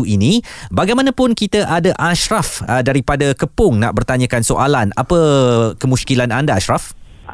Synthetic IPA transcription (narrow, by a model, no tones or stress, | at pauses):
uinĩbaɡajmanãpʊnkit̪əʔadaʔaʃɾafədaɾipadakəpʊŋna̰ʔbərt̪aɲə̃kansoʔalana̰pəkəmuskilanandaaʃɾaf